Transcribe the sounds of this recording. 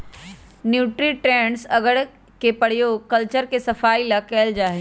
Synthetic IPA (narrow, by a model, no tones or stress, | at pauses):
njuːʈɾiʈɾẽːɳɖsɐɡəɽ | kepɐɽ̤jokɐlt͡ʃəɾkesɐfaːilɐkɛːld͡ʒaːɦe